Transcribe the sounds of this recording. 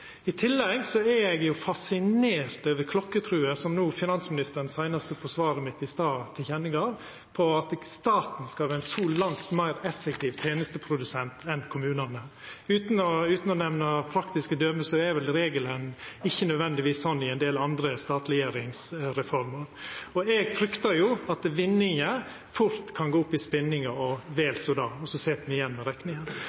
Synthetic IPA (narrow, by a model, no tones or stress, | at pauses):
ɪt̪ʰɪlːɛɡsɔɛɾɛɡjʊfɑsɪneːɾt̪øːʋəkʰlɔkːət̪ʰɾʉːəsɔmnuːfɪnɑnsmɪnɪst̪əɾən̩sæɪnɑst̪əfɔsʋɑːɾəmɪt̪ːɪst̪ɑːt̪ʰɪlçɛnːɪɡɑɾ | pʰɔɑt̪st̪ɑːt̪nskɑʋɪnsuːlɑŋt̪mæɪɾɛfːɛk̚t̪ʰiːʋt̪ʰeːnəst̪əpʰɾʊd̪ʉsɛnt̪ʰɛnkʰʊmʉːnɑnəʉːt̪n̩ɔʉːt̪n̩ɔnɛmnɑpʰɾɑkt̪ɪskəd̪œːməsɔɛɾʋɛlɾeːɡələnɪçːənœd̪ʋɛnd̪ɪʋiːsːɔnːɪɛnd̪eːlɑnd̪ɾəst̪ɑːt̪ɾɛjeːɾɪŋsɾɛfɔɾməɾɔɛɡfɾʏkt̪əɾjʊɑt̪ʋɪnːɪŋə | fʊɾt̪kʰɑnɡoːʊpːɪspɪnːɪŋəɔʋeːlsɔd̪ɑːɔsɔseːt̪mɪɪjɛnːɾɛknɪŋən